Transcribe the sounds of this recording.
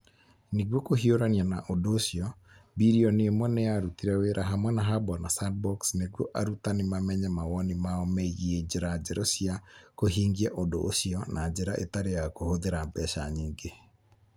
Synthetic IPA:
neɣwokoɦioɾanianaʔodoːsiɔ | biɾiɔneomwɛnejaɾutiɾɛweːɾʔaɦamwɛnaɦabɔnasadbɔksneɣwɔʔaɾutanemamɛɲɛmawɔnimaɔmɛiɣied͡ʑeɾad͡ʑɛɾɔsiakoɦiːŋɡiɛʔodo̰ʔːsiɔnʔad͡ʑeɾaʔḛtaɾejakohoðeɾambɛʃaɲiːŋɡe

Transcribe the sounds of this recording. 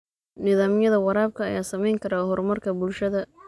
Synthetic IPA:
nɪðaːmjɐðɐwɑɾaːb̚kʰɐːjaːsɐmɛjŋkʰɐɾaːɦɔrmɐrkʰɐbʊlʃɐðɐ

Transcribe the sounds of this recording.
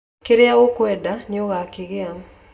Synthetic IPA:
keɾeaokwɛdaneoɣakeɣeam

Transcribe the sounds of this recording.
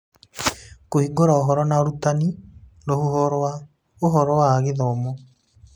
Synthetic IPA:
kohiɡoɾaoɦɔɾɔnaoɾutani | ɾohuɦɔɾa | oɦɔɾɔwaːɣeðɔːmɔ

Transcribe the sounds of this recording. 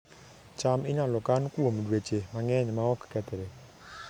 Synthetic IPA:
t͡ʃamɪɲalɔkankwomdwet͡ʃemaŋɛɲmaɔkːɛt̪ɛɾe

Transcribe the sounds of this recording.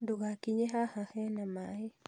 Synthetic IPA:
duɣakiɲeɦahãhenamai

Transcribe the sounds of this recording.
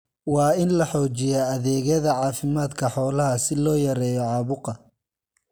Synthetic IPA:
wɑːɪnlɐħɔːt͡ʃɪjaːɐðɛːɣɐðɐʕɑːfɪmaːd̪kʰɐħɔːlɐɦɐsɪlɔːjɐɾɛːjɔʕɑːβʊqɑ

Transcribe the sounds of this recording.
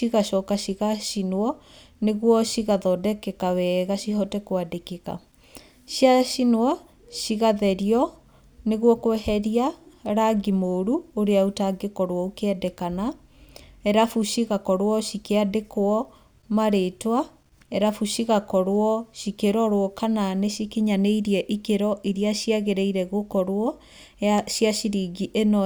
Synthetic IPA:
iɣaʃɔkaɕiɣaɕinwɔ | neɣwɔɕiɣaðɔdɛkɛkawɛɣaɕihɔtɛkwadekeka̰ | ʃiaɕinwɔ | ɕiɣaðɛɾiɔ | neɣwɔkwɛhɛɾiaɾaɡimoːɾuoɾeaotaɡekɔɾwɔokeɛdɛkana | ɛɾafuʃiɣakɔɾwɔʃikeadekoɔ | maɾetwa | ɛɾafuɕiɣakɔɾwɔɕikeɾɔɾwɔkananeʃikiɲaneiɾiɛʔikeɾɔʔiɾiaɕiaɣeɾeiɾɛɣokɔɾwɔ | ʃiaʃiɾiɡiʔenɔ

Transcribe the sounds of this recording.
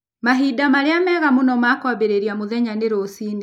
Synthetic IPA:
maɦidamaɾeamɛɣamonɔmakwaβeɾeɾiamoðɛɲaneɾosiːne

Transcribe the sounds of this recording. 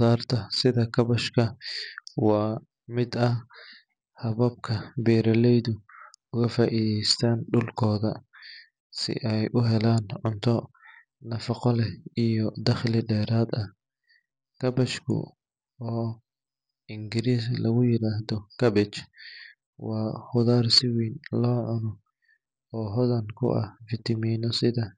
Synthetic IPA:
ðaːrt̪ʰɐsɪðɐkʰɐβɐʃkʰɐ | wɑː | mɪd̪ɐh | hɐβɐb̚kʰɐbɛːɾɐlɛjðʊʊɣɐfaːʔiːðɛjst̪ʰaːnɖʊlkʰɔːðɐ | sɪ̰ʔɛjʔʊɦɛlaːnʕʊnt̪ʰɔ | nɐfɐqɔlɛijɔd̪ɐχlɪɖɛːɾaːd̪ɐh | kʰɐbɛt͡ʃkʰʊ̰ | ɔː | ɪŋɡɪɾiːslɐɣʊjɪɾaːhðɔkʰɐbɪt͡ʃ | wɑːhʊðaːrsɪwiːnlɔːʕʊnɔ | ɔːɦɔðɐŋkʰʊ̰ʔɐ̰hfɪt̪ʰɐmiːnɔsɪðɐ

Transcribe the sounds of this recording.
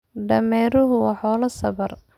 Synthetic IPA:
ɖɐmɛːɾʊɦʊwɑːħɔːlɐsɐβɐr

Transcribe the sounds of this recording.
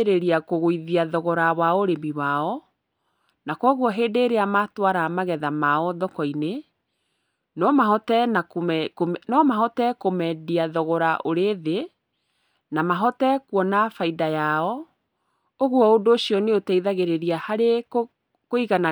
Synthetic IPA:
ɾeɾiakoɣoiðiaðɔɣɔɾawaoɾembiwaɔ | nakwɔɣwɔɦeːdeːɾeamatwaɾamaɣɛðamaɔðɔkɔine | nɔmaɦɔtɛnakmɛkomnɔmaɦɔtɛkomɛdiaðɔɣɔɾaʔoɾeðe | namaɦɔtɛkwɔnafaidajaɔ | oɣwɔodoːɕiɔneotaiðaɣeɾeɾiahaɾek | koiɣana

